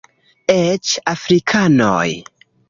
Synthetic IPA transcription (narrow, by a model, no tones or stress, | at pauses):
et͡ʃafɾikʰano̰j